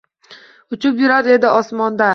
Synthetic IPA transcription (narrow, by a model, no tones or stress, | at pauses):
ʊt͡ʃʊpjʊɾaɾe̞d̪ɪʔɒsmɒnd̪a